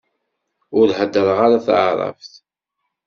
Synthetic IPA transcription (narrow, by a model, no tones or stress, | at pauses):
ʊɾhəd̪ːəɾʁaɾaθaʕɾˤɑ̰fθ